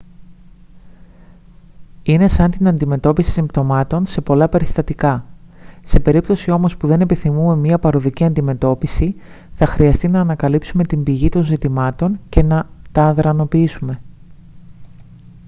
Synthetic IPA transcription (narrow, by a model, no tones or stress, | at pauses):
ine̞sɐnt̪inɐnd̪ime̞t̪o̞pisi̥simbt̪o̞mɐt̪o̞nse̞po̞lɐpe̞ɾist̪ɐt̪ikɐ | se̞pe̞ɾipt̪o̞sio̞mo̞spuðe̞ne̞piθimume̞miɐpɐɾo̞ðiciɐnd̪ime̞t̪o̞pisi | θɐxɾiɐst̪inɐːnɐkɐlipsume̞t̪imbiʝit̪o̞nzit̪imɐt̪o̞ɲce̞nɐt̪ɐːðɾɐno̞piisume̞